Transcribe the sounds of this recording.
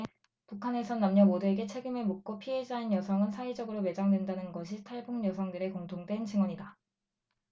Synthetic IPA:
pukʰane̞sʰʌnːamɲʌmodue̞ɡe̞t͡ɕʰe̞ɡimɯɭmok̚k͈opʰiɦe̞d͡ʑainjʌsʰʌŋɯnsʰaid͡ʑʌɡɯɾome̞d͡ʑaŋdwe̞ndanɯnɡʌɕʰitʰaɭbuŋɲjʌsʰʌŋdɯɾe̞koŋtʰoŋdwe̞nt͡ɕiŋwʌɲida

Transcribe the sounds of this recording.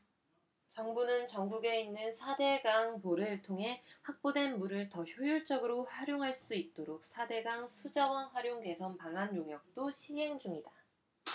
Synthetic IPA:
t͡ɕʌŋbunɯnt͡ɕʌŋɡuɡe̞inːɯnsʰade̞ɡaŋpoɾɯɭtʰoŋɦe̞ɸwak̚p͈odwe̞nmuɾɯɭtʌçjojuɭt͡ɕ͈ʌɡɯɾoɸwaɾjoŋɦaɭs͈uit̚t͈oɾok̚s͈ʰade̞ɡaŋsʰud͡ʑawʌnɸwaɾjoŋke̞sʰʌnpaŋɦanjoŋjʌk̚t͈oɕʰiɦe̞ŋd͡ʑuŋida

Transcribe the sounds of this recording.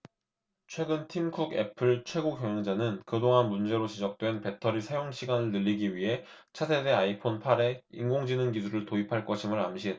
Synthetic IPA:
t͡ɕʰwe̞ɡɯntʰimkʰuɡe̞̰pʰɯɭt͡ɕʰwe̞ɡoɡjʌŋjʌŋd͡ʑanɯnkɯdoŋɦanmund͡ʑe̞ɾot͡ɕid͡ʑʌk̚t͈we̞npe̞tʰʌɾisʰajoŋɕʰiɡanɯɭnɯʎːiɡiɥiɦe̞ | t͡ɕʰatʰedeaipʰonpʰaɾe̞iŋɡoŋd͡ʑinɯnɡidʰuɾɯɭtoipʰaɭk͈ʌɕʰimɯɾamɕʰi

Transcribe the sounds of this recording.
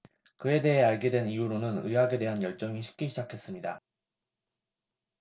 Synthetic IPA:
kɯe̞de̞ɦe̞aɭɡedwe̞nijuɾonɯnɯ̰jaɡe̞de̞ɦanjʌɭt͡ɕ͈ʌŋiɕʰi̥p̚k͈iɕʰid͡ʑakʰe̞s͈ɯmɲida

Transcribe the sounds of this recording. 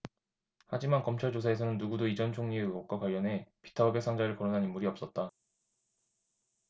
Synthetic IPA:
had͡ʑimankʌmt͡ɕʰaɭt͡ɕos̬ʰae̞s̬ʰʌnɯnːuɡudoid͡ʑʌnt͡ɕʰoŋɲiɯɡʌk̚k͈wakwaʎːʌne̞pi̥tʰaʌbe̞ksʰaŋd͡ʑaɾɯɭkʌɾonɦanimːuɾiʌps͈ʌt̚t͈a

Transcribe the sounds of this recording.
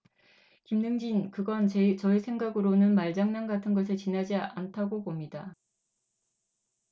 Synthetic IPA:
kimnɯŋd͡ʑinkɯɡʌnt͡ɕt͡ɕʌisʰe̞ŋɡaɡɯɾonɯnmaɭd͡ʑaŋnaŋɡatʰɯnɡʌs̬ʰet͡ɕinɦad͡ʑiantʰaɡopomɲida

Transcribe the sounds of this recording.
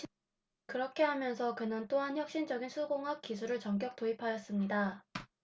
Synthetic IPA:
kɯɾʌkʰe̞ɦamjʌnsʰʌkɯnɯnt͈oɦançjʌk̚ɕ͈ind͡ʑʌɡinsʰuɡoŋɦak̚k͈isʰuɾɯɭt͡ɕʌŋk̬͈jʌk̚t͈oipʰajʌs͈ɯmɲida

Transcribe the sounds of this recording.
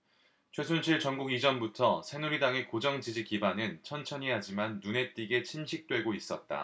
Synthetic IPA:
t͡ɕʰwe̞sʰunɕʰiɭt͡ɕʌŋɡuɡid͡ʑʌnbutʰʌsʰe̞nuɾidaŋe̞kod͡ʑʌŋd͡ʑid͡ʑikibanɯnt͡ɕʰʌnt͡ɕʰʌɲiɦad͡ʑimanːune̞t͈iɡe̞t͡ɕʰinɕʰik̚t͈we̞ɡois͈ʌt̚t͈a̰

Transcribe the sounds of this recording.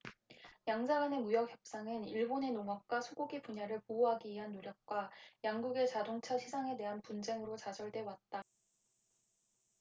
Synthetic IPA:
jaŋd͡ʑaɡane̞mujʌk̚ʰjʌp̚s͈aŋɯniɭbone̞noŋʌk̚k͈wasʰuɡoɡipuɲaɾɯɭpouɦaɡiɥiɦanːoɾjʌk̚k͈wajaŋɡuɡe̞t͡ɕadoŋt͡ɕʰaɕʰid͡ʑʰaŋe̞de̞ɦanpund͡ʑe̞ŋɯɾot͡ɕad͡ʑʌɭdwe̞wat̚t͈a

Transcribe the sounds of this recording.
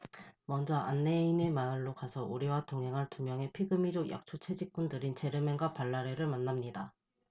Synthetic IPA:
mʌnd͡ʑʌʔanːe̞ine̞maɯɭːokasʰʌuɾiwatoŋɦe̞ŋɦantumjʌŋe̞pʰiɡɯmid͡ʑokjʔa̰k̚t͡ɕʰot͡ɕʰe̞d͡ʑik͈̚undɯɾint͡ɕe̞ɾɯme̞ŋɡwapaɭːaɾe̞ɾɯɭmanːamɲida

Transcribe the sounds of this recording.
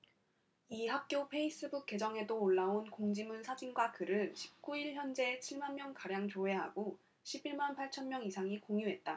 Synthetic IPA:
iɦap̚k͈jopʰe̞is͈ɯbuk̚k͈e̞d͡ʑʌŋe̞doːɭːaonkoŋd͡ʑimɯnsʰad͡ʑinɡwakɯɾɯnɕʰi̥p̚k͈uiɭçjʌnd͡ʑe̞t͡ɕʰiɭmanmjʌŋkaɾjaŋt͡ɕoɦe̞ɦa̰ɡo | ɕʰibiɭmanpʰaɭt͡ɕʰʌnmjʌŋisʰaŋikoŋjuɦe̞t̚t͈a

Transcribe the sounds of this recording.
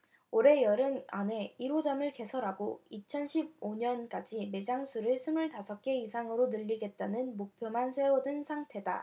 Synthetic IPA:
oɾe̞jʌɾɯma̰ne̞iɾod͡ʑʌmɯɭke̞sʰʌɾɦaɡoit͡ɕʰʌnɕʰib̚oɲʌnk͈ad͡ʑime̞d͡ʑaŋsʰuɾɯɭsʰumuɭtasʰʌk̚k͈e̞isʰaŋɯɾonɯʎːiɡe̞t̚t͈anɯnmok̚pʰjomansʰe̞odɯnsʰaŋtʰe̞da̰

